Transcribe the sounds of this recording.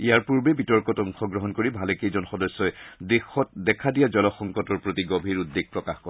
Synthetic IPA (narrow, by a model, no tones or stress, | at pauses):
ijaɹpuɹbɛbitɔɹkɔtɔŋxɔɡɹɔɦɔnkoɹibʱalekejzɔnxɔdɔsːɔɛdexɔt̚dɛkʰadijazɔlɔxɔŋkɔtɔɹpɹotiɡobʱiɹudːeɡ̚pɹɔkaxkɔ